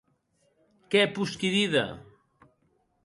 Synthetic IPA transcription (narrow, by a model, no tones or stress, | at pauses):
kɛpuskiðiðɐ̰